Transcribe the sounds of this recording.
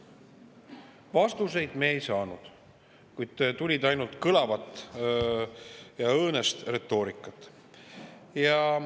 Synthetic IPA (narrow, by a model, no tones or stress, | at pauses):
vɑst̪use̞jd̪̥meːjsɑːnud̪̥ | kujd̪̥t̪ulʲid̪ɑjnult̪kɤlɑvɑt̪ːˑ | jɑɤːnest̪re̞t̪ˑːo̞ːɾikːˑɑt̪ːˑ | jɑ